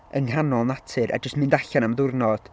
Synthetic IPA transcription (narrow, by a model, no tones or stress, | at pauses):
əŋhanɔnatʰɨɾʔa̰d͡ʒəstmɪndaɬanaməðʊrnɔd̥